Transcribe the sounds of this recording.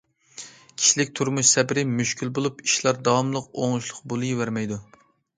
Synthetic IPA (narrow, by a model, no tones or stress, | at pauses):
kʲʰi̥ʃilɪk̚ʲt̪ʰuɾmuʃsɛbɪɾɪmyʃkʲʰilbolˠupiʃlˠɑɾd̪ɑwɑmlˠəqoŋlˠuʃlˠʊqbolˠɨjivæɾmɛjd̪u